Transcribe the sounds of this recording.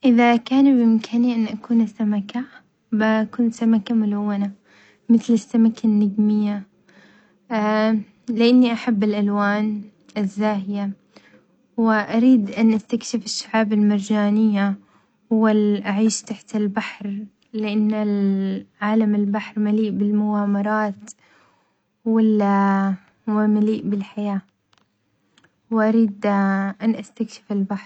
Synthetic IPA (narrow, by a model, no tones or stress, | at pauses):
ʔɪðakaːnbʔɪmkʰaniʔɪnːʔakuːnasːamaka | bakʊnsamakamʊlawːana | mɪθlɪsːamakʰanːaɡmɪjːa | lɪʔanːiʔaħabːɪlʔalwaːn | ʔɪzːaːɦɪja | wɪʔaɾiːd̪ʔanʔast̪akʃɪfɪʃːaʕaːbɪlmɪɾˤd͡ʒaːnɪjːa | walʔaʕiːʃt̪aħt̪ɪlbaħɾˤ | lɪʔanːalʕaːlamɪlbaħɾˤmaliːʔbɪlmʊɡaːmɑɾˤɑːt̪ | wɪl | wɪmaliːʔbɪlħajaː | wʔaɾiːd̪ʔanʔast̪akʃɪ̥fɪlbaħɾˤ